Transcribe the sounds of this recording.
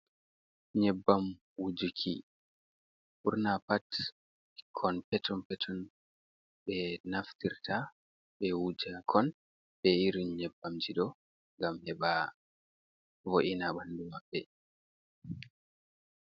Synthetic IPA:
ɲɛbːam | wud͡ʒikʰḭ | fuɾnapat | kʰɔnpɛtʰɔnpɛtʰɔn | ɓɛnaftiɾta | ɓɛwud͡ʒakʰɔn | ɓɛiɾiɲɛbːamd͡ʒiɗɔ | ŋɡamhɛba | voʔinaɓandumabːɛ

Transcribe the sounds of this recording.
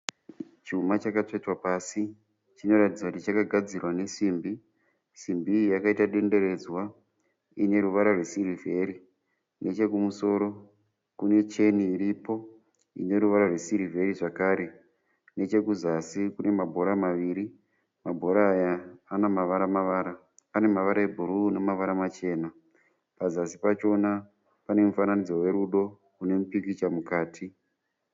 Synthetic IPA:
t͡ʃumat͡ʃakat͡ʂet͡swapasi | t͡ʃino̞ɾatid͡zakutit͡ʃakaɡʱad͡zirwane̞ʂiːmbi | ʂimbijakaitaɗe̞nde̞ɾe̞zwa | ine̞ɾuʋaɾarwesirive̞ɾi | nʔe̞t͡ʃe̞kumuso̞ɾo̞ | kune̞t͡ʃe̞niːɾipo̞ | ḭne̞ɾuʋaɾarwe̞siɾivʱe̞riʐakaːɾe̞ | ne̞t͡ʃe̞kuzasikune̞mabʱo̞ɾamaʋiɾi | mabʱo̞ɾaːjaːnamaʋaɾamaʋaːɾa | ane̞maʋaɾae̞bʱuɾune̞maʋaɾamat͡ʃe̞ːna | pazasipat͡ʃo̞na | pane̞mufananid͡zo̞we̞ɾuɗo̞ | kune̞mupikit͡ʃamukaːtʰi

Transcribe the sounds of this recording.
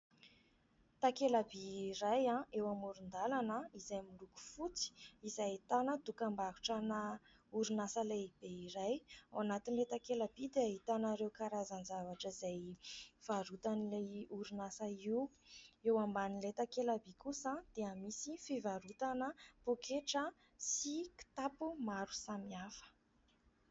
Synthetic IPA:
t̪akelabiɾajãewamuɾund̪alanəizajmuluku̥fut͡si̥izajt̪anəd̪ukambaɦuʈ͡ʂanə | uɾunasəlaib̥eiɾajawanat̪inilet̪akelabid̪eait̪anaɾewkaɾazanzavaʈ͡ʂəizajv̥aɾut̪anilajuɾunasəiw | ewambanilet̪akelabikʰusəd̪̥eəmisifivaɾut̪anəpokʰeʈ͡ʂə | siki̥t̪apumaɾusamiafə̥

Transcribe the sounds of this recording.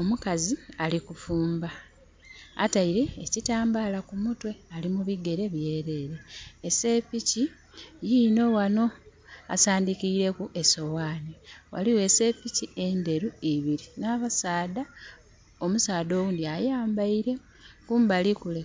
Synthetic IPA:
o̞mukazialikufuːmba | a̰taiɾeːcitaːmbaːlakumutwe̞alimuβiɡe̞ɾe̞βje̞ːɾe̞ɾe̞ːsepici | jino̞wano̞ | a̰saːndikiɾe̞kuʔe̞so̞waːniwa̰liwe̞se̞picie̞nde̞ɾuiβiɾinaːβasaːda | o̞musaːdo̞ːwuːndiajaːmbaiɾe̞ | kuːmbalikule

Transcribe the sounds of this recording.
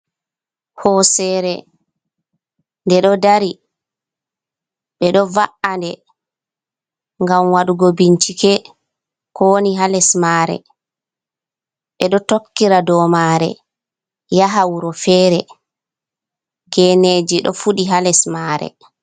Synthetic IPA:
hɔsɛɾɛ | ndɛɗɔdaɾi | ɓɛɗɔvaʔandɛ | ŋɡamwaɗuɡobiɲt͡ʃikɛ | kɔniɦalɛsmaːɾɛ̰ | ɓɛɗɔtokːiɾadɔmaɾɛ̰ | jaɦawuɾɔfɛːɾɛ | ɡɛned͡ʒiɗɔ̰fuɗiɦalɛsmaɾɛ̰

